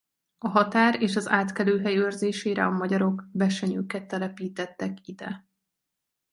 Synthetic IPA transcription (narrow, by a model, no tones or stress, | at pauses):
ɒɦɒt̪aːɾeːʃɒzaːt̪kɛløːɦɛjøːrzeːʃeːɾɛ̰ɒmɒɟɒɾo̞kvɛrʃɛɲøːkɛt̪ːɛlɛpiːt̪ɛt̪ːɛkid̪ɛ